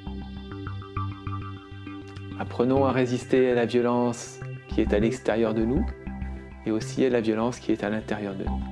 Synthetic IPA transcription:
apχənɔ̃aʁezist̪ealavjɔlɑ̃skʲiɛt̪alɛkst̪ɛʁjœʁd̪ənu | eosialavjɔlɑ̃skʲiɛt̪alɛ̃t̪ɛʁjœʁd̪ə̰nu

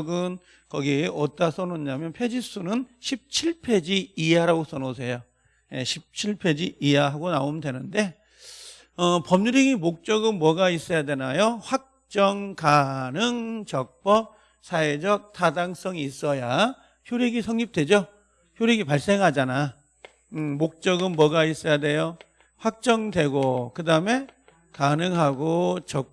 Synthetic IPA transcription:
ɡɯn | kʌɡiʌt͈asʰʌnoɲamjʌnpʰe̞d͡ʑis͈unɯnɕʰip̚t͡ɕʰiɭpʰe̞d͡ʑiijaɾaɡos͈ʰʌnos̬ʰe̞jo | je̞ɕʰip̚t͡ɕʰiɭpʰe̞d͡ʑiijaɦaɡonaomdwe̞nɯnde̞ | ʌpʌmɲuɾeŋimok̚t͡ɕ͈ʌɡɯnmwʌɡais͈ʌjadwe̞najoɸwak̚t͡ɕ͈ʌŋkanɯŋt͡ɕʌk̚p͈ʌ | sʰaed͡ʑʌk̚tʰadaŋs͈ʌŋiis͈ʌja | çjoɾeɡisʰʌŋɲip̚t͈we̞d͡ʑo | çjoɾeɡipaɭs͈e̞ŋɦad͡ʑana | ɯmok̚t͡ɕ͈ʌɡɯnmwʌɡais͈ʌjade̞jo | ɸwak̚t͡ɕ͈ʌŋdwe̞ɡokɯdaɯme̞ | kanɯŋɦaɡot͡ɕʌ

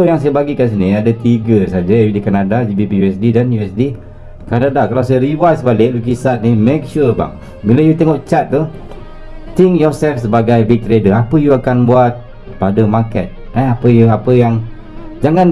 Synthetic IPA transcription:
ojaŋs̬ajabaɡikans̬iniadət̪iɡəsad͡ʒaidikanadad͡ʒibipijuɛsdidanjuɛsdi | kanadakalawsajaɾiwasəbalɪk̚luk̬isat̪̚nimek̚ʃuba̰ŋ | bilajut̪ɛŋɔʔt͡ʃat̪̚ːu | t̪ɪŋkjɔsɛlfsəbaɡajbik̚t̪ɾedəapəjuakanbuat̪̚ | padəmakɛ̰t̪̚naapəjuapəjaŋ | d͡ʒaŋan

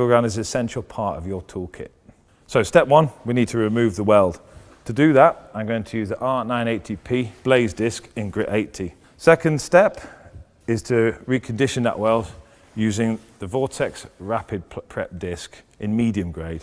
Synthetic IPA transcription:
ɡɹãʊ̃nɪzɪsɛ̃nʃəlˠpʰɑˑtə̰vjətʰɔːkʰɪ̰t | soʊstɛpwʌ̃nwiniːd̚tʰəɹɪmʉːvðəwɜːlˠd̥ | tʰədəðətãɪ̃mɡoʊɪ̃ŋtʰəjʉːzðiʔɑˑʔnãɪ̃neɪtʰipʰiːb̥leɪzdɪskɪ̃nɡɹɪʔeɪtʰi | sɛkə̃nd̥stɛp | ɪz̥tʰəɹikʰə̃ndɪʃə̃nðə̰ʔwɜːlˠd | jʉːzɪ̃ŋðəvɔˑtʰɛksɹapɪd̚pʰɹ̥ɛ̰p̚d̥ɪskʔɪ̃nmiːdiə̃mɡɹeɪd̥

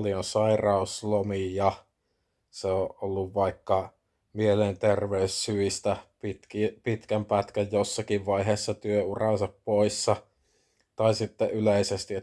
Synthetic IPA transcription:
lionsɑirɑuslomijɑ | seoʔolːuʋʋɑikːɑ | mielent̪erʋeyssyʋist̪æpit̪kipit̪kæmpæt̪kæjjosːɑkiʋʋɑiɦeːsːɑt̪yøurɑnsɑppoisːɑ | t̪ɑisit̪ːeʔyleisest̪i

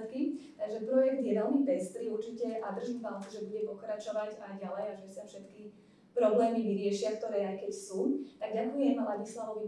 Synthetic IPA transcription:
t̪kit̪aɡʒɛpɾɔjɛɡd̪ɪjɛʋɛlmibɛst̪ɾiːuɾt͡ʃicɛʔad̪r̩ʒivalkuʒɛbuɟɛpɔkɾat͡ʃɔʋaɟaɟalɛjaʒɛsafʃɛt̪ki | pɾɔblɛːmiʋiɾɪɛʃɪakt̪ɔɾɛːajkɛcsuːt̪aɡ̚ɟakujɛmalaɟislaʋɔʋi

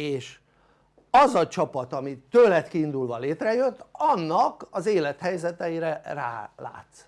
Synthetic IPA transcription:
eːʃ | ɒzɒt͡ʃɒpɒt̪ɒmit̪øːlɛt̪kiːnd̪ulvɒleːt̪rɛjøt̪ːɒnːɒkɒzeːlɛt̪hɛjzɛt̪ɛjiɾɛra̰ːla̰ːt̪s

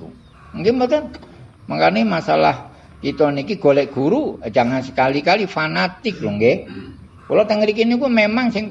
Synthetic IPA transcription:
mŋkimbət̪ɔ | maŋkarnimasala̰h | t͡ʃit̪ɔnikiɡ̥olɛʔɡ̥uɾud͡ʒa̤ŋansəkalikalifanat̪ɪk̚luŋɡe | kolɔt̪əŋəɾik̬inikumemaŋsɪŋ

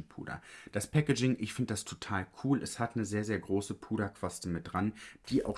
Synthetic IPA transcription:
pʰṵːdɐ̰d̥aspʰɛkəd͡ʒɪŋʔɪçfɪndəd̥astʰo̥tʰaːlkʰuːlʔɛshatnəzeːɐzeːɐɡʁoːsəpʰuːɾɐkv̥astəmɪt̚d̥ʁand̥iːʔa̰ʊx

